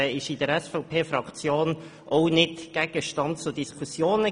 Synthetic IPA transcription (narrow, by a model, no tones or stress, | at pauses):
ɪʃɪdəɾɛsfɔʊpʰeːfɾɑkt͡sjoːn | ʔɔʊnɪtɡ̥ɛɡ̥əʃtɑntt͡sʊdiskʰusjoːnə